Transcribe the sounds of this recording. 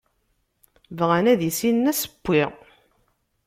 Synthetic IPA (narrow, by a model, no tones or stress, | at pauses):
vʁænæðjisinːæsə̥bːiʁ